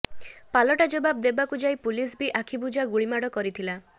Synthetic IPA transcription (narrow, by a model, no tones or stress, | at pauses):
palɔʈad͡ʒobabd̪ebakud͡ʒajpulisbiʔakʰibud͡ʒaɡuɭimaɽɔkɔɾit̪ʰila